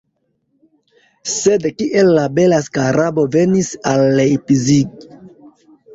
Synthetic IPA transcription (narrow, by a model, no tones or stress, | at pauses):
se̞dkiʔe̞lːabe̞laskaɾabo̞ve̞nisalːejpiziɡ